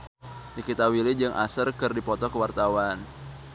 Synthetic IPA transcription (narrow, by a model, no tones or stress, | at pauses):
nikit̪awilɪd͡ʒɨŋʔa̰sərkɨrdipɔt̪ɔkəwart̪awan